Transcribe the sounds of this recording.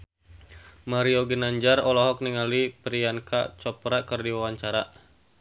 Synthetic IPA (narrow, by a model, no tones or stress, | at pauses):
maɾiɔɡinaɲd͡ʒarɔlɔɦɔk̚niŋalipɾianka̰t͡ʃɔpɾakɨrdiwawaɲt͡ʃaɾaʔ